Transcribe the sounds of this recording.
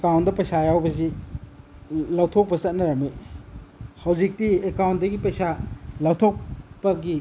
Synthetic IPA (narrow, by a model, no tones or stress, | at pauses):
ekawntdɐpɐjsajawbɐzi | lawtʰok̚pɐsɐt̚nɐɾɐme | hawzik̚tiekawntdɐɡipɐjsalɐwtʰok̚bɐɡi